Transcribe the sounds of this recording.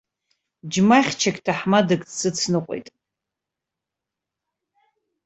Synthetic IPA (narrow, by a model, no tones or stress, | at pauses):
d͡ʒmaχʲt͡ʃʰakʲʼtʰaħmadakʼsɨt͡sʰnɨqʷʼo̰jtʼ